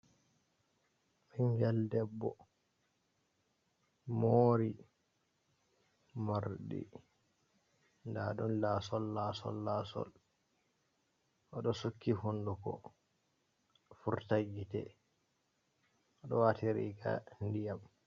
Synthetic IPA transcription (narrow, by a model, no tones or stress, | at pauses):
ʔɛŋɡɛldɛbːɔ | moːɾi | maɾɗḭ | ndaɗɔnlasɔlːaːsɔ̰lːaːsɔ̰l | ʔɔɗɔsukːihundukɔ̰ | fuɾtaɡːitɛ̰ | ʔɔɗɔwatiɾḭɡa̰ndijam